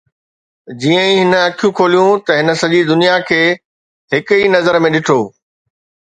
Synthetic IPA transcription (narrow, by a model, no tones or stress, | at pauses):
d͡ʑiːə̃ĩɦɪnəɐkʰijũkʰoːlijũt̪ɐɦɪnə̆sɐʄid̪ʊnijakʰeː | ɦɪkʊiːnɐzəɾmẽɗɪʈʰoː